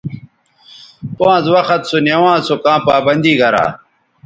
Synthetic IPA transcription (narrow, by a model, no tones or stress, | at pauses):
poãːzwɐxɐt̪sunewãːsokãːpaːbɐnd̪iːɡɐɾa̰ː